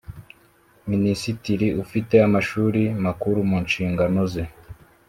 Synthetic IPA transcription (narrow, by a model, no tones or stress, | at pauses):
minisitiɾiufite̞amaʃuːɾimakuɾumuːnʃiːŋɡano̞ze